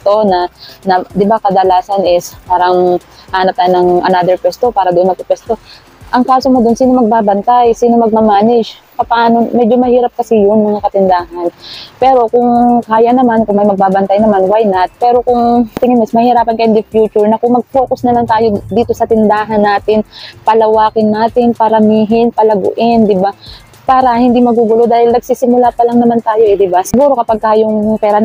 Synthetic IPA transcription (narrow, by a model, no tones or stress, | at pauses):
t̪o̞nɐnɐd̪ɪbakɐd̪ɐlaːsɐnɪspaːɾɐŋʔaːnɐp̚t̪aːjonɐŋʔɐ̰naːd̪ɛɹkwɛst̪o̞paːɾɐd̪oʔonmɐɡ̚pɐkwɛst̪o̞ | ʔɐŋkaːso̞mod̪onsiːno̞mɐɡ̚babɐnt̪ajsiːno̞mɐɡ̚mɐmaːnɛd͡ʒ | pɐpɐʔaːno̞mɛd͡ʒo̞mɐhiːɾɐp̚kɐsɪjʊnmɐŋakɐt̪ɪnd̪aːɦɐnpɛːɾo̞kʊŋkaːjɐnɐmankʊŋmɐjmɐɡ̚baːbɐnt̪ajnɐmanwajnɐt̪̚pɛːɾo̞kʊŋt̪ɪŋɪnɪsmɐhɪɾaːpɐnkɐjɐnd̪ɪfjuːt͡ʃʊɹnɐkʊŋmɐɡ̚poːkosnɐlaŋt̪aːjo̞d̪iːt̪o̞sɐt̪ɪnd̪aːɦɐnːaːt̪ɪnpɐlɐwaːkɪnːaːt̪ɪnpɐɾɐmiːɦɪnpɐlɐɡʊ̰ʔɪnd̪ɪba | paːɾɐhɪnd̪imɐɡuːɡʊlo̞d̪aːhɪlnɐɡ̚siːsɪmʊlaːpɐlɐŋnɐmant̪aːjo̞ʔɛd̪ɪbasɪɡuːɾo̞kɐpaɡ̚kaːjoŋpɛːɾɐ